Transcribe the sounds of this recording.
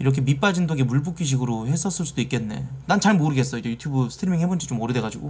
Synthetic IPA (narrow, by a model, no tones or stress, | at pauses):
iɾʌk̬ʰe̞mip͈ad͡ʑindoɡemuɭbukʰiɕ̬ʰiɡɯɾohe̞s͈ʌs͈ɯɭs͈udoik͈e̞nːe̞̰nant͡ɕaɭmoɾɯɡe̞s͈ʌid͡ʑe̞jutʰjubɯsʰɯ̥tʰiɾimiŋhebʌnt͡ɕʰi̥t͡ɕomʌɾɯdwe̞ɡad͡ʑiɡo